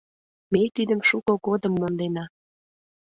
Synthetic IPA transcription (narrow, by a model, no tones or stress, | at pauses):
met̪id̪əmʃukoɡod̪ə̆mːond̪enɑ